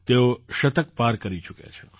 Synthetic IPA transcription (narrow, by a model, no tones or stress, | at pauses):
t̪eoʃət̪əkpaɾkəɾit͡ʃukḛt͡ʃʰe